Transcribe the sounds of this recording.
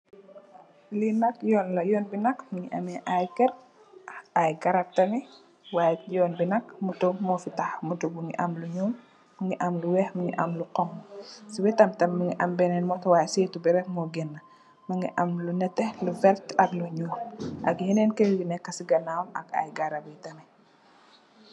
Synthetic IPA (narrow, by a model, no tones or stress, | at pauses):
linɐkjɔnlɐjɔːnbinɐkmuɲiʔɐ̰mɛʔajkɛɾ | ajɡɐɾɐp̚tɐŋi | wajjɔːnbinɐkmutɔmɔfitaxmutubuŋiʔɐmluɲuːmː | ɐŋɡiʔɐmluwɛhmɐŋḭʔɐmluqɔmsiwɛtɐmtɐmːɐŋiʔɐmbɛnɛnmɔtɔwaːjseːtubiɾɛkmɔɡɛnːɐ | mɐŋɡiʔɐmlunɛtɛluvɛɾtɐkluɲuːmʔɐɡhinɛnkɛwinɛkːɐsiɡɐnawnɐ̰ka̰jɡɐɾɐbitɐmɛ